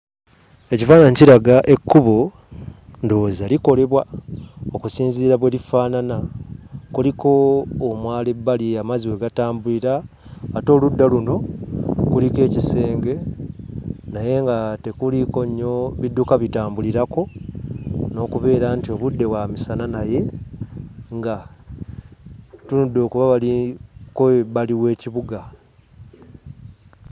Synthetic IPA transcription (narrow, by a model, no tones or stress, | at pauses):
e̞cifaːnaɲciɾaɡaʔe̞kːuβo | ndoːzaliko̞le̞βwaokusiːnziiɾaβwe̞lifaːnana | kuliko̞ːmwaːlebːaliamaziwe̞ɡataːmbuliɾaː | to̞ːludːaluno̞kulike̞ːcise̞ːŋɡe̞ | naje̞ŋɡate̞kuliko̞ɲːo̞βidːukaβitaːmbuliɾako̞ | no̞ːkuβe̞ːɾantio̞βudːe̞wamisananaje̞ | ŋɡa | tunudːo̞ːkuβaβalikoβaliwe̞ːciβuɡa